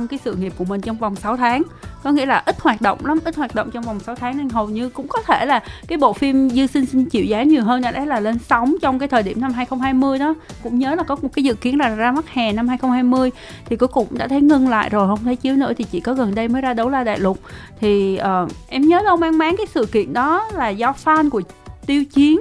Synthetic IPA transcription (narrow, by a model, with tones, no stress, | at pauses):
wŋ͡mkaː˨˦jsɨ̰˧˨ŋi˨˩p̚ku˧˩əmï˨˩ŋ̟t͡ɕɔ˧wŋ͡mva˨˩wŋ͡msa˨˦wt̪ʰaː˨˦ŋkɔ˨˦ŋḭ˧əlaː˨˩ʔi˦˥t̚hwaː˨˩t̚ɗo̰˧˨wŋ͡mla˨˦mʔi˦˥t̚hwaː˨˩ɗo̰˧˨wŋ͡mt͡ɕɔ˧wŋ͡mva˨˩wŋ͡msa˨˦wt̪ʰaː˨˦ŋʔa˧jŋ̟ɦə˨˩wɲɨ˧kʊ̰˧˥ŋ͡mkɔ˨˦t̪ʰe˧˩laː˨˩kaː˨˦jɓo̰˧˨fi˧mzɨ˧sï˧ŋ̟si˧ŋ̟t͡ɕḭ˧˨wzaː˨˦ɲi˨˩əwɦəː˧nɗa̰˧˩ʔa˨˦˥laː˨˩le˧nsa˨˦wŋ͡mt͡ɕɔ˧wŋ͡mk̬aː˨˦jt̪ʰəː˨˩ɗi˧˩əmna˧mhaː˧jxə˧wŋ͡mhaː˧jmɨ˧əjɗɔ˨˦kʊ̰˧˥ŋ͡mɲəː˨˦laː˨˩kɔ˨˦mo˨˩kaː˨˦jzɨ̰˧˨ki˨˦ənlaː˨˩zaː˧ma˦˥t̚haː˨˩na˧mhaː˧jxə˧wŋ͡mhaː˧jmɨ˧əj | t̪ʰi˨˩ku˨˦jkʊ̰˧˨ŋ͡mɗa̰ː˧˥t̪ʰə˨˦jŋə˧ŋla̰ː˧˨jzo˨˩jhə˧wŋ͡mt̪ʰə˨˦jt͡ɕi˨˦əwnɨ̰˧˥əi˨˩t͡ɕḭ˧˨kɔ˨˦ɣə˨˩nɗə˧jməː˨˦jzaː˧ɗə˨˦wzaː˧ɗa̰ː˧˨jlʊ˨˩k͡p̚t̪ʰi˨˩ʔəː˨˩ʔɛ˧mɲəː˨˦nə˧wmaː˧ŋmaː˨˦nkaː˨˦jsɨ̰˧˨kḭ˧˨ənɗɔ˨˦laː˨˩zɔ˧˦faː˧nkət̪i˧əwt͡ɕi˨˦ən